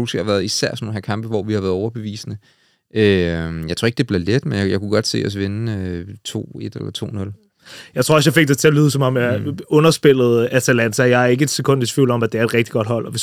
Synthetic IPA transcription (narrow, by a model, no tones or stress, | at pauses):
usɡ̥hɑʋæɐð̩ˠisæɐ̰snonhæɐkʰɑ̈mb̥əʋɒʋihɑ̈ʋæːɐðˠʊɐb̥e̝ʋḭːsnə | ʔøjɑɪt͡sʰoɐeɡ̥̚d̥eb̥leɐled̥menjajɑ̈ɪkʰuɡ̥ɒ̽d̥se̝̰ːɒ̽sʋe̝nəøt͡sʰo̝̰ːe̝d̥elɐt͡sʰo̝̰ːnɔ̽l | jɑɪt͡sʰʁoɐɒsjɑfe̝ɡ̥̚d̥et͡sʰe̝ɐlyːðˠəsɒ̽mɒ̽mjaɔ̽nɐsb̥e̝l̰ð̞̩ˠæt͡sʰælæn̰sʰæjɑ̈ɪæɐe̝ɡ̥əe̝d̥sekʰɔ̽n̰d̥esʰʋḭʊ̰lɒ̽mæd̥eæɐe̝d̥ʁɛɡ̥d̥iɡ̥ɒ̽d̥ɦɒ̽l̰ɒ̽ʋe̝